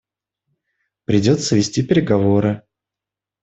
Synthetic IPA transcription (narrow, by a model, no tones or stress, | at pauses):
pɾʲɪdʲo̞t̪səvʲɪsʲtʲipʲɪɾʲɪɡɐvoɾɨ